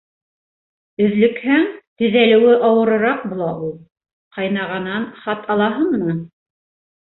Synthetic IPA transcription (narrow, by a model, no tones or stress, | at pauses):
ɵ̆ðlɵ̆khæŋt̪ɵ̆ðælɘ̆wɘʔɑwɤ̆ɾɤ̆ɾɑq̚bulˠɑʔulˠ | qʰɑjnɑʁɑnɑnχɑt̪ɑlˠɑɦɤɴmɤ̆nɤ